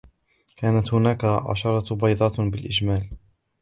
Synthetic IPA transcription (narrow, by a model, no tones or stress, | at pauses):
kaːnat̪hʊnaːkaʕɑ̰ʃɑɾˤɑbɑjd̪ˤɑːbɪlʔɪd͡ʒmaːl